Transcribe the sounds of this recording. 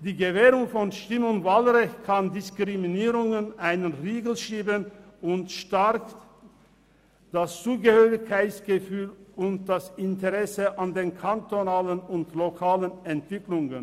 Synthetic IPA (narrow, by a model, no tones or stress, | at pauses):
d̥iːɡəveːʁʊŋfɔnʃtɪmɔnvalʁɛçkʰandɪskʁ̥iminiːʁʊŋənʔaɪnənʁiːɡl̩ʃiːbənʊntʃtaʁk | d̥ast͡suːɡəhøːʁɪkʰːaɪsɡ̥əfyːlʊnt̚d̥asɪntəʁɛsəʔandeːnkʰantonaːlənʊntlokʰaːlənɛntv̥ɪklʊŋən